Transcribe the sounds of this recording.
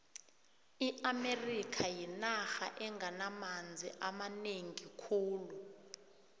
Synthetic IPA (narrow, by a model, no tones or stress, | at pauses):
iʔamerikʰajinaxa̰ʔɛŋɡanamand͡zʱḭʔamaneŋikʰuːlu